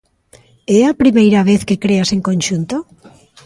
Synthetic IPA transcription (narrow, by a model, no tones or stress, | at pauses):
ɛapɾimejɾaβ̞eθkekɾeaseŋkõnʃunt̪o